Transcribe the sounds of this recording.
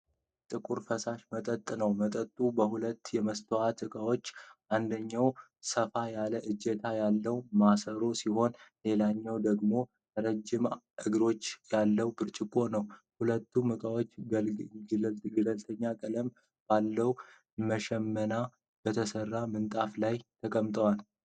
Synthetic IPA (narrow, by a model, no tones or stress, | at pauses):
t̪ʼɨkʼuɾfəsaʃmət̪ʼət̪ʼːnəwmət̪ʼət̪ʼubəhulət̪ːjɛməst̪ʰəwat̪ʰɨkʼawo̞t͡ʃːʔand̪əɲːaw | səfajaləʔɨd͡ʒːɛt̪ʰajalːəwmasəɾo̞siho̞nle̞laɲːawd̪əɡmo̞ | t̪ʰəɾəd͡ʒːɪm | ʔɨɡɾo̞t͡ʃːjalːəwbɨɾt͡ʃʼɪkʼːo̞nəwhulət̪ʰːumɨkʼawo̞t͡ʃː | ɡɨləlt̪ʰəɲːakʼələm | b̥alːəw | məʃɛmːəna | b̥ət̪ʰəsərːamɨnt̪ʼaflajt̪ʰəkʼəmt̪ʼəwal